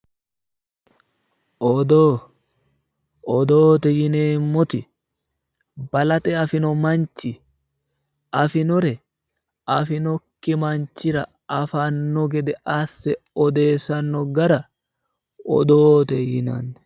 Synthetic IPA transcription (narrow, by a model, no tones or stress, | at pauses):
ʔɔd̪oː | ʔɔd̪oːt̪ɛjɪneːmːɔt̪ɪ | bɐlɐt̪ɛɐfɪnɔmɐnt͡ʃːɪ | ɐfɪnɔɾɛ | ɐfɪnɔkːɪmɐnt͡ʃːɪɾɐ | ɐfanːɔɡɛd̪ɛʔɐsːɛɔd̪e̞ːsɐnːɔɡɐɾɐ | ɔ̰d̪oːt̪ɛjɪnɐnːɛ